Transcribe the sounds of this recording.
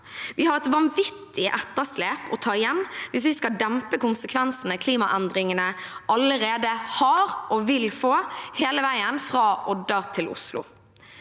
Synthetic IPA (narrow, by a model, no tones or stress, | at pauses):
ʋɪhɑɾɛt̪ʋɑnʋɪt̪ːɪʔɛt̪ːəsleːpɔt̪ʰɑːɪjɛnːʋɪs̬ʋɪskɑld̪ɛmpəkʊnsəkʰʋɛnsənəkʰliːmɑʔɛnd̪ɾɪŋənəɑləɾeːd̪əhɑɾʔɔʋɪlfoːheːləʋæɪənfɾɑːʔɔd̪ɑt̪ʰɪlʊ̰slʊ̰